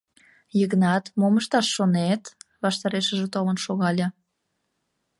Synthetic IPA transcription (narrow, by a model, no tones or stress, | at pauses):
jəɣnɑt̪moməʃt̪ɑʃːonet̪βɑʃt̪ɑɾeʃəʒet̪olənʃoɣɑlʲɑ